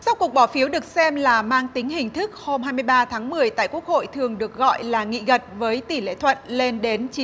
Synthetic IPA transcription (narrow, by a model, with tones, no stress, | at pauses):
sa˧wku˨˩ək̚ɓɔ˧˩fi˨˦əwɗɨ˨˩ək̚sɛ˧mlaː˨˩maː˧ŋt̪ï˨˦ŋ̟hï˨˩ŋ̟t̪ʰɨ˦˥k̚ho˧mhaː˧jmɨ˧jɓaː˧t̪ʰaː˨˦ŋmɨ˨˩əjt̪a̰ː˧˨jku˦˥ək̚ho̰˧˨jt̪ʰɨ˨˩əŋɗɨ˨˩ək̚ɣɔ̰˧˨jlaː˨˩ŋḭ˧˨ɣə˨˩t̚vəː˨˦jt̪i˧˩lḛ˧˨t̪ʰwə̰˧˨nle˧nɗe˨˦nt͡ɕi˨˦